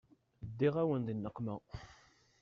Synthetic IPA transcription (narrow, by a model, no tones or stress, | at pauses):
d̪ːiʁæwənd̪ˤinːəqːmæ